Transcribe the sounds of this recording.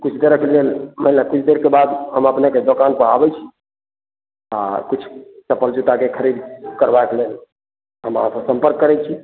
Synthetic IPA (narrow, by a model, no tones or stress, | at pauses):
kut͡ʃʰd̪eɾəkelelməɦilakut͡ʃʰd̪eɾkebad̪ɦəməpneked̪okanpəɾabɛt͡ʃʰi̥ | a̰kut͡ʃʰt͡ʃəpːəld͡ʒut̪akekʰəɾid̪kəɾbajkelel | ɦəmɦãsə̃bsə̃mpəɾkːəɾɛt͡ʃʰi